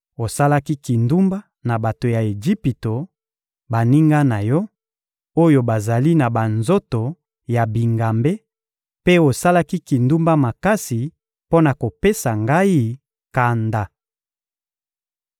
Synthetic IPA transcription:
o˨sa˦la˦ki˦ki˨ndu˦mba˦ | na˨ba˨to˨ja˨e˨ʒi˦pi˨to˨ | ba˨ni˦ŋɡa˦na˨jɔ˦ | o˦jo˨ba˨za˨li˦na˨ba˨nzo˦to˨ | ja˨bi˨ŋɡa˨mbe˦ | pe˦o˨sa˦la˦ki˦ki˨ndu˦mba˦ma˨ka˦si˨ | po˦na˨ko˨pe˦sa˨ŋɡa˦i˦ | ka˨nda˨

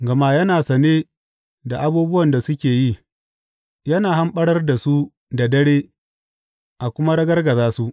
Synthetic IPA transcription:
ɡɐ˨ma˦jɐ˦naː˨sɐ˨neː˦ | da˨ʔa˦buː˦bʊ˦wɐ˨nda˨sʊ˦kʲeː˨ji˦ | jɐ˦naː˨ɦa˦mɓɐ˦ɽɐ˦rda˨su˦ | da˨dɐ˦ɽeː˦ | ʔa˨kʷʊ˦ma˦ɽɐ˦ɡɐ˦rɡɐ˨zaː˦su˦ʔ

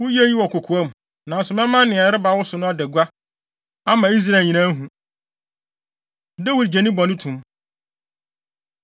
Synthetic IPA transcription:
wʊ˦je˦ji˦wɔ˨kʰo˨kʰu˨a˦m˨ | nã˨sʊ˨mɛ̃˦mã˦nɪ̃˨a˨ɾɪ˦ba˨˦wʊ˦sʊ˨nʊ̃˦a˦dɛ˨ɡʷa˦ | a˦mã˨i˦s̬ɾa˦˨lɲĩ˨nã˦ɦũ˨ | dɛ˦wi˨ɾd͡ʑɛ˨nĩ˦bɔ̃˨nʊ̃˦tʰũ˨m

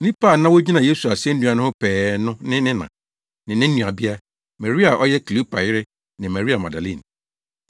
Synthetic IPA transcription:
nĩ˦paː˦˨nã˦wo˦d͡ʑi˦nã˨je˦su˨a˨sɛ˦n̩˦dũ˨˦a˨nʊ̃˦ʊ̃˦pʰɛː˨nʊ̃˦nɪ̃˦nɪ̃˦nã̰˨ | nɪ̃˨nɪ̃˦n̩˦nũ˨a˨bi˦a˦ | ma˨ɾi˦a˨ʔɔ˦jɛ˦ki˨lu˦pa˨jɪ˦ɾɪ˦ | nɪ̃˨ma˨ɾi˦a˨mã˨da˨lḭ̃˦˨n

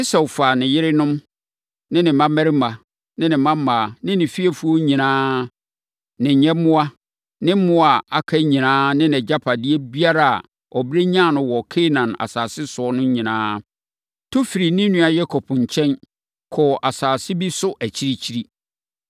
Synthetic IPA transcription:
ɪ˦sɛ˨faː˨nɪ̃˨jɪ˦ɾɪ˦nʊ̃˦m | nɪ̃˦nɪ̃˨mã˦mɛ˦ɾma˨ | nɪ̃˦nɪ̃˨mã˦ma˨nɪ̃˦nɪ̃˨fi˦ɛ˨fu˦o˦ɲĩ˨nãː˦ | nɪ̃˨ɲɛ̃˦mʊ̃˦a˦ | nɪ̃˦mʊ̃˦a˨a˨kʰa˦ɲĩ˨nãː˦nɪ̃˦nɛ˨d͡ʑa˦pʰa˨di˦e˦bi˦a˦ɾa̰˨ | ɔ˨bɾe˦ɲ˦ã˦˨nʊ̃˨wɔ˨kʰe˦nã˨na̰˨saː˨sɪ˦sʊ˨˦ɔ˦nʊ̃˦ɲĩ˨nã̰ː˦ | tʰo˦fi˨ɾi˨nɪ̃˦nũ˦a˨jɛ˦kʰɔ˨pʰɲ̩˨t͡ɕʰɛ̃˦n | kʰɔ˨ʔa˨saː˨sɪ˦bi˦sʊ˦ʔæ˨t͡ɕʰi˦ɾi˦t͡ɕʰi˦ɾi˦

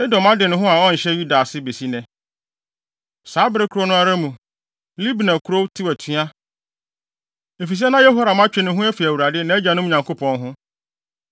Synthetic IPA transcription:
ɪ˦dɔ̃˨mã˦dɪ˨nʊ̃˦ɦʊ̃˦a˨ɔ˦n̩˨ɕɛ˦ju˦da˨sɪ˦be˨si˦nɛ̃˨ | saː˨˦bɪ˦ɾɪ˦kʰʊ˨ɾo˦nʊ̃˦a˦ɾa˦mũ˨ | li˦bnã˨kʰʊ˨ɾo˦wtʰɪ˦wæ˨tʰu˦a˦ | e˨fi˨s̬i˦ɛ˦nã˦jɛ˦ɦo˦ɾa˨m˦a˦t͡ɕᶣɪ˦nʊ̃˦ɦʊ̃˦ɛ˦fi˨æ˨wu˨ɾa˨dɪ˦nã˨˦ɛ˦d͡ʑã˨nʊ̃˦mĩ˨ɲã˨ŋko˦pʰɔ̃˨nɦʊ̃˦

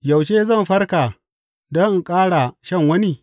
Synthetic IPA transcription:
jɐ˨wʃeː˦zɐ˦˨mɸɐ˦rkaː˨ | dɔ˦ŋ˨kʼaː˦ɽa˨ʃɐ˦ŋwɐ˦niː˦

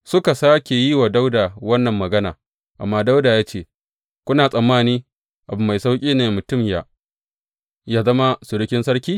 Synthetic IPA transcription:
sʊ˦ka˨saː˦kʲe˨jiː˦waː˨da˦wdaː˨wɐ˦nːɐ˨mːɐ˨ɡɐ˦na̰ː˨ | ʔa̰˨mːaː˦da˦wdaː˨jaː˦t͡ʃeː˦˨ | kʷʊ˦naː˨sʼɐ˨mːaː˦niː˦ | ʔa˨bʊ˨mːa˨jsa˦wkʲʼiː˦neː˨mʊ˨tʊ˦˨mja̰˨ | jaː˦zɐ˦ma˦sʊ˨ɽɪ˦kʲɪ˦nsɐ˦ɽkʲiː˦

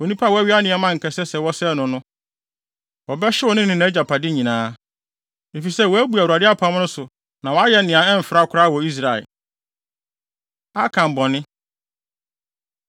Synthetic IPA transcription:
wɔ˨nĩ˦pʰa˦˨wæ˦ɥi˦a˦nɪ̃˨ɛ˦mã˦ŋ̩˨kʰɛ˨sɛ˦sɛ˨wɔ˦sɛ˦nʊ̃˨nʊ̃˦ | wɔ˨bɛ˦ɕɪ˦wɔ˦nɪ̃˦nɪ̃˦nã˨˦d͡ʑa˨pʰa˨dɪ˦ɲĩ˨nãː˦ | e˨fi˨sɛ˦˨wɔ˨æ˦bu˨a˨u˨a˨dɪ˦a˦pʰa˦m˦nʊ̃˦sʊ˨ | nã˨wɔ˨˦a˦jɛ˦nɪ̃˨ã˨ɛ˦m̩˨fɾa˦˨kʰʊ˦ɾa˦˨wɔ˨i˦s̬ɾa˨ɛ̰˨ | a˦kʰã˨m˨bɔ̃˨nɪ̃˦

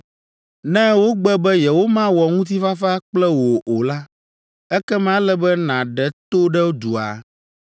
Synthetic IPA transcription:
nɛ̃˦wo˦ɡ͡bɛ˦bɛ˦jɛ˨wo˦mã˦wɔ˨ŋũ˦t̪̬i˦fa˦fa˦k͡plɛ˦wo˨ʔo˨la˦ | ɛ˦kɛ˦m˦ã˦lɛ˦bɛ˦nã˨ɖɛ˨t̪o˦ɖɛ˦wo˦d̪u˨a̰˨

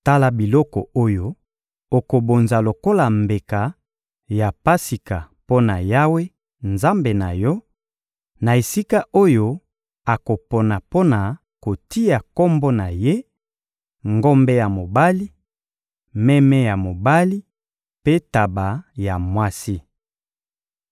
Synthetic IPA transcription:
ta˦la˨bi˨lɔ˦kɔ̰˨o˦jo˦ | o˨ko˨bo˨nza˨lo˨ko˦la˨mbe˨ka˨ | ja˨pa˦si˨ka˨ | po˦na˨ja˦we˦ | nza˦mbe˨na˨jɔ˦ | na˨e˨si˦ka˦ʔo˦jo˦ | a˨ko˨po˨na˨po˦na˨ | ko˨ti˦ja˨ko˦mbo˦na˨je˦ | ŋɡo˦mbe˦ja˨mo˨ba˦li˦ | mɛ˦mɛ˦ja˨mo˨ba˦li˦ | pe˦ta˨ba˨ja˨mwa˦si˦

